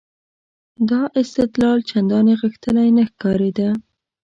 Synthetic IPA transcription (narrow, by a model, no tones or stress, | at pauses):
d̪ɑʔɪst̪ɪt̪lɑlt͡ʃand̪ɑneɣəxt̪əlajnəxkɑɾed̪a